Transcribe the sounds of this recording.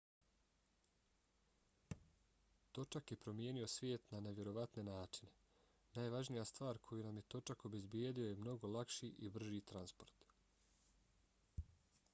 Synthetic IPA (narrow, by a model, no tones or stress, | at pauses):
t̪o̞t͡ʃakje̞pɾo̞mje̞ːnio̞sʋʲje̞ːt̪nane̞ʋʲje̞ɾo̞ʋat̪ne̞naːt͡ʃine̞ | naːjʋaʒnijast̪ʋaːɾkʰo̞junamje̞t̪o̞t͡ʃako̞be̞zbjeːd̪io̞je̞mno̞ɡo̞lˠakʃiʔibr̩ʒit̪ɾanspo̞ɾt̪